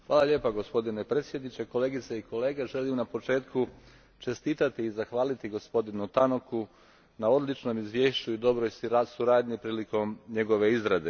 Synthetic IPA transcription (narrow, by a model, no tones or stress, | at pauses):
xʋaːlaʎeːpaɡo̞spo̞d̪inepɾeːt̪sje̞d̪nit͡ɕe̞ko̞le̞ːɡit̪seiko̞le̞ːɡeʒe̞limnapo̞t͡ʃe̞ːt̪ku | t͡ʃe̞st̪iːt̪at̪iːzaxʋaːlit̪iɡospo̞d̪inut̪ano̞ku | nao̞d̪lit͡ʃno̞mizʋje̞ːʃt͡ɕuid̪o̞bɾo̞jsuɾaːd̪ɲipɾiːliko̞mɲe̞ɡo̞ʋe̞izɾad̪e